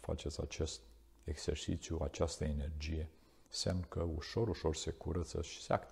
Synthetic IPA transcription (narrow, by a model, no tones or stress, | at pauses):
fa̰t͡ʃɛt͡sa̰t͡ʃɛst̪ | ɛksɛɾsit͡sjua̰t͡ʃast̪əenɛɾd͡ʒijɛ | sɛmnkəuʃɔɾuʃɔɾsɛkuɾət͡səʃsa̰kt̪